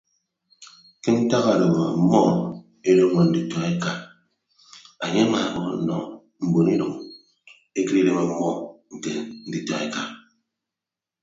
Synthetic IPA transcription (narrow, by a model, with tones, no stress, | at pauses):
ki˦n̩˦ta˦ɣa˦˨lo˨bo˨a˨˦mɔ˦ | e˦le˦ŋɔ˨n̩˨di˨tɔ˨e˦ka˨ | a˨ɲe˦ma˨mɔ˨o̰˨nɔ˨ | m̩˨bo˨ni˦ɾɔ˨ŋ | e˦ki˦ɾe˦le˦ma˨˦mɔ˦˨ŋ̩˨ke˨n̩˦di˨˦tɔ˦e˦ka˨